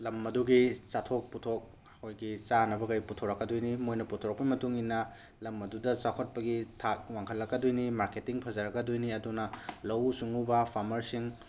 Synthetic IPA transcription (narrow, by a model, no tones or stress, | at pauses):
lɐmɐduɡit͡ʃatʰok̚putʰok̚ | hojɡit͡ʃanɐbɐkɐjputʰoɾɐkːɐdojnimojnɐputʰoɾɐk̚pimɐtuŋinːɐ | lɐmɐdudɐt͡ʃakʰɐt̚pɐɡitʰak̚waŋkʰɐlːɐkːɐdojnimaɾketiŋpʰɐzɐɾɐkɐdojniɐdunɐlɐwsuŋubɐpʰaɾmɐɾsiŋ